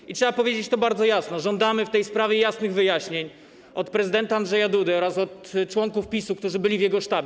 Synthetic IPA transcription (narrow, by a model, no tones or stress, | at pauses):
itʂɛbapɔvʲjed͡ʑet͡ɕt̪ɔbaɾd̪zɔjasnɔʐɔnd̪amɘft̪ɛjspɾavʲjɛjasnɘɣvɘjaɕɲeɲ | ʔɔt̪pɾɛzɨd̪ɛnt̪aandʐɛjad̪ud̪ɛɔɾasɔt̪ːt͡ʂwɔŋkufpʲisukt̪uʐɘbɘlʲivjɛɡɔʂt̪abʲj